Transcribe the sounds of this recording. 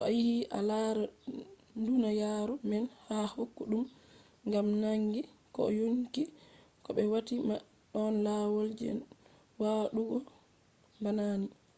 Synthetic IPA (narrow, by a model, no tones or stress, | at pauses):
ʔɔjihiʔa̰laɾa | ndunajaːɾɔmɛnhahokːuɗum | ŋɡamnaŋɡikɔ̰joɲki | kɔɓɛwatima | ɗɔnlawold͡ʒɛ̰ | waɗuɡɔ | banani